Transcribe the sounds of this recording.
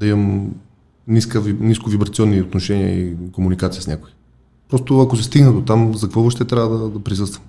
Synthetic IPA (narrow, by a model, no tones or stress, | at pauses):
d̪̥ɐiməm | niskəvniskovibɾɐt̪siɔnːiot̪noʃɛniə̰ikomunikat̪siəsnʲja̰kʊi | pɾɔst̪oɐkosɛst̪iɡnəd̪ot̪amzɐkɐkvɔvəʃt̪ɛt̪ɾʲavəd̪ɐd̪ɐpɾisɤst̪vəm